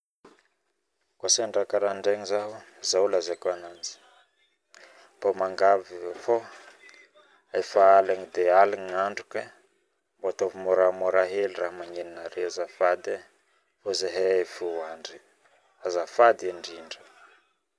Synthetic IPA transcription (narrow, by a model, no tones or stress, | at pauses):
koseɳɖ͡ʐakaɾaɳɖ͡ʐeŋizaɦuzaulazakoanand͡zi̥ | b̥omaŋɡavifo | afaalaŋid̪ealiɲaɳɖ͡ʐukə | mboat̪ovimoɾamoɾaɦeliraɦamaɲeninaɾewazafad̪e | fozaɦefuaɳɖ͡ʐi | azafad̪iaɳɖ͡ʐiɳɖ͡ʐə